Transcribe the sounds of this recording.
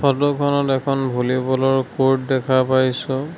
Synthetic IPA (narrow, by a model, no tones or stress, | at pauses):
pʰɔdɔkʰɔnɔtɛkʰɔnbʱulibɔlɔɹkoɹt̚dɛkʰapajsʊ̃